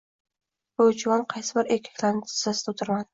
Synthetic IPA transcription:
bʊt͡ʃʰʊvɒnqʰɑjsɪbɪɾekʲʰḁkʲlaɾnɪt̪ʰɪ̥zasɪd̪aot̪ʰɪɾman

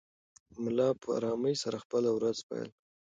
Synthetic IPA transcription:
mʊlɑpʰəa̰ɾɑməjsaɾaxpəlawɾazpa̰j̰l

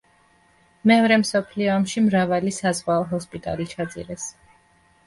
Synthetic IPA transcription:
mɛɔɾɛmsɔpʰliɔːmʃimɾavalisazʁwalˠɦɔspʼit̪ʼa̰lit͡ʃʰad̪sʼḭɾɛs

